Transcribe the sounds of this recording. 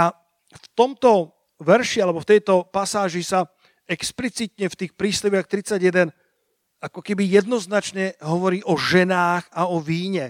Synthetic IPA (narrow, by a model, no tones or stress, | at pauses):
a | ft̪ɔmt̪ɔ | ʋɛɾʃialɛbɔft̪ɛjt̪ɔpasaːʒisa | ɛksplit͡sit̪ɲɛft̪iːxpɾiːstɛʋɪaxt̪ɾit͡saɟjɛd̪ɛn | akɔkɛbijɛd̪nɔznat͡ʃɲɛɦɔʋɔɾiːʔɔʒɛnaːxaɔʋiːɲɛ